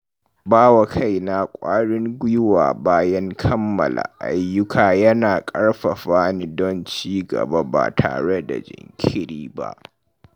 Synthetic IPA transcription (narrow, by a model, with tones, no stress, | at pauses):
baː˦wa˨kʰa˦jna˨kʷʼaː˦ɽɪ˦ŋɡʷʊ˦jʊ˦wa̰ː˨baː˦jɐ˦ŋkʰɐ˦mːɐ̰˨la̰˨ʔa˦jːʊ˦kʰaː˨jɐ˦naː˨kʼɐ˦ɽɸɐ˨ɸaː˦ni˦dɔ˦nt͡ʃiː˦ɡɐ̰˨ba˦ba̰ː˨tʰa̰ː˨ɽe˦da̰˨d͡ʒɪ̰˨ŋkʲʰɪ˦ɽiː˦ba̰˦ʔ